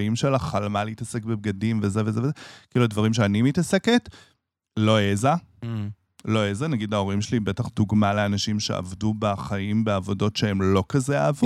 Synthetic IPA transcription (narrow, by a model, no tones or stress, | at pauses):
imʃelaχalmaleitase̞kbeb̚ɡadimvezevezevezekiiluadvaʁimʃ̬eanimitase̞ket | lo̞eza | lo̞ezanaɡidao̞ʁimʃelibetaχduɡmale̞anaʃimʃe̞̰a̰vdubaχaimbeavo̞do̞tʃeemlo̞kazea̰ːv